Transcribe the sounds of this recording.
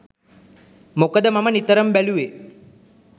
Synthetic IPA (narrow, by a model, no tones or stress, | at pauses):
mokəd̪əmamənit̪əɾəmbæluʋe